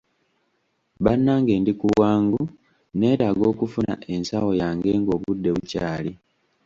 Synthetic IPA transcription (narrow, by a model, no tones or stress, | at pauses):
βanːaːŋɡe̞ːndikuwaːŋɡu | ne̞ːtaɡo̞ːkufuna̰e̞nsawo̞jaːŋɡe̞ŋɡo̞ːβudːe̞βucaːli